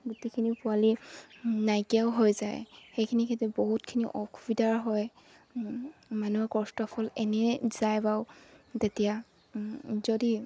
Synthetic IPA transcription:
ɡutikʰinipʊali | najkiaʊɦojza̰jxejkʰinikʰintuboɦutkʰiniʔɔkʰubidaɹɦɔj | manuɛkɔstɔpʰɔlɛnɛz̥ajbaʊtetija | zodi

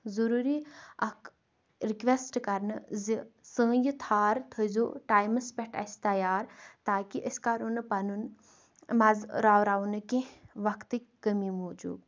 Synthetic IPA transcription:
zuɾuːɾiɐk | ɾikʋesʈkɐɾnɨzisə̃ːjit̪ʰaːɾt̪ʰəzo̰ːʈaːjmɨspʲeʈɐ̰st̪ɐjaːɾt̪aːkiʔəskaɾonpɐnun | mɐzɾaːwɾaːʋunɨkẽʋɐkt̪ɨkʲkːəmimoːd͡ʒṵːb

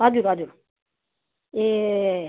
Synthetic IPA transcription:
ad̪uɾad̪uɾ | e

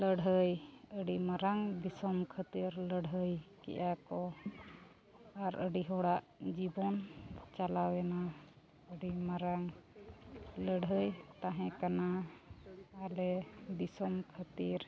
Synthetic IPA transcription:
ləɽɦəjəɖimaɾaŋb̪isɔmkʰət̪iɾləɽɦəjkɛ̰ʔjakɔ | aɾəɖiɦɔɽaʔd͡ʒibɔnt͡ʃalawɛna | əɖimaɾaŋ | ləɽɦəjt̪aɦɛ̃kanaː | lɛb̪isɔmkʰət̪iɾ

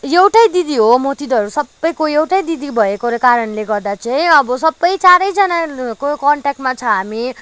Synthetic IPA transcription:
jewʈʌjd̪id̪iɦomot̪id̪ʱʌɾusʌbːʌjkoewʈʌjd̪id̪ibʱʌekoɾʌkaɾʌnleɡʌrd̪at͡saĩʌbʌsʌbːʌjt͡saɾʌjd͡zʌnakokʌɳʈak̚ʈmat͡sʰʌɦami

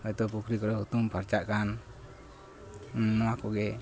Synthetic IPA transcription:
hɔjt̪ɔp̬ukʰɾikɔɾɔɦut̪umpʰaɾt͡ʃaʔkan | ɔwakɔɡɛ

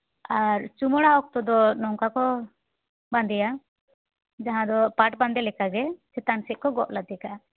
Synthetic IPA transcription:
aɾt͡ʃumɔɽaɔk̚t̪ɔd̪ɔnɔŋkakɔ | band̪ɛja | d͡ʒaɦãd̪ɔpaʈband̪ɛlɛkaɡɛsɛt̪ansɛʔ̚kɔɡɔ̰ʔlad̪ɛkaa

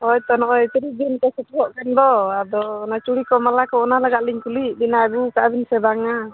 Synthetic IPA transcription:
ɔjt̪ɔnɔʔɔjt̪iɾibinkɔsut̪uɔʔkand̪ɔad̪ɔːnat͡ʃuɽikɔmalakɔːnalaɡaʔliŋkuliʔdinaɡukabinsɛbaŋa

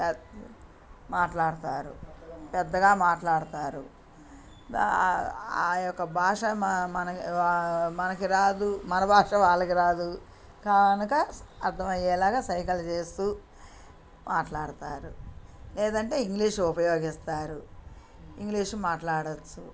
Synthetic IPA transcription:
maːʈlaːɽut̪aːɾṵpɛd̪ːɐɡaːmaːʈlaːɽut̪aːɾu | aːjɔkːɐbʱaːʂɐmɐnɐ | mɐnɐkiɾaːd̪umɐnɐbʱaːʂɐʋaːɭːɐkiɾaːd̪u | kɐnukɐːɾt̪ʰːɐmɐjɛːlaːɡaːsɐjkɐlɐt͡ʃeːst̪uː | mʔaːʈlaːɽt̪aːɾulɛːd̪ɐɳʈe̞ːiŋɡliːʂupɐjoːɡist̪aːɾu | iŋɡliːʂmaːʈlaːɽɐt͡ʃːu

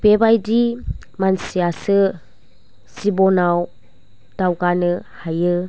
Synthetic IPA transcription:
bebajdimansiasɯ | sibɔnaw | d̥awɡanɯhajɯ

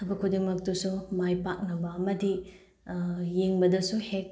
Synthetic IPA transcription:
tʰɐbɐkʰudiŋmɐk̚tusumajpak̚nɐbɐɐmɐdi | jeŋbɐdɐsuhek̚

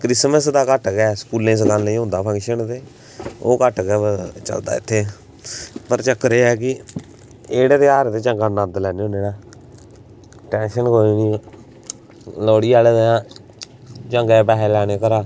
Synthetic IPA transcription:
kɾɪsməsd̪aːkəʈɡɛːsə̥kuːlːẽːs̬əkaːnnə̃ĩːɦʊ̃nd̪aːpʰə̃ŋkʃənt̪eː | o̰ːkəʈɡɛːət͡ʃə̰ld̪a̰ːɪ̰t̪ʰːeː | pəɾt͡ʃəkɾeːɛːk̬ɪ | eːɽeːt̪eːaːɾt̪eːt͡ʃəŋɡaːnə̃nd̪lɛːneõːd͡ʒeːɽaː | ʈɛːnʃənkoːiːni | lɔːɽiːaːled̪eãː | t͡ʃəŋɡɛːpɛːɦɛːlɛːɽ̃eːkəɾaː

